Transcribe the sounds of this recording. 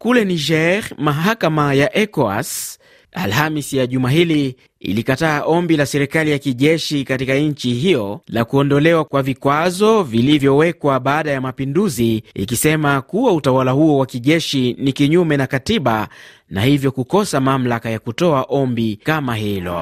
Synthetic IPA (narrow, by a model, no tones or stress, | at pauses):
kulɛniʒɛɾmaɦakamajaʔɛkɔa̰s | a̰lhamisijaʄumaɦili | ḭlikataːʔɔmbilasɛɾikalijakiʄɛʃikatikaɲ̩t͡ʃiɦijɔlakuɔndɔlɛwakwavikwazɔvilivjɔwɛkwaɓaːɗajamapinduziḭkisɛmakuwautawalahuɔwakiʄɛʃinikiɲumɛnakatiɓa | na̰hivjɔkukɔsamam̩lakajakutɔaʔɔmbikamahilɔ̰